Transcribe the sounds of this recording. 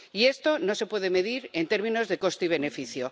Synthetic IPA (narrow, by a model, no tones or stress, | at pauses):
ie̞st̪o̞no̞se̞pwe̞ðe̞me̞ðiɾe̞nt̪e̞ɾmĩno̞zðe̞ko̞st̪eiβe̞ne̞fiθjo̞